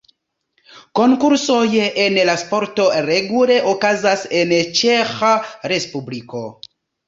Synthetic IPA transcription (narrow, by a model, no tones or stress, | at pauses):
ko̞ŋkuɾso̞je̞nlaspo̞ɾto̞ɾeɡule̞ʔokazase̞nt͡ʃe̞xaɾe̞spubliko̞